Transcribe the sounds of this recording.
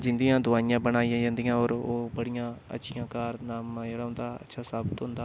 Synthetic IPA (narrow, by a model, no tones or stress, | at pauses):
d͡ʒɪ̃nd̪ijãːd̪ʊʋaːijãːbənaːijãːd͡ʒãːnd̪ijãːoːɾoːbəɽijãːə̰tːʃʰijãːkaːɾnaːmd͡ʒeːɽaːɦʊ̃nd̪aːə̰tːʃʰaːsaːbət̪ɦʊ̃nd̪aː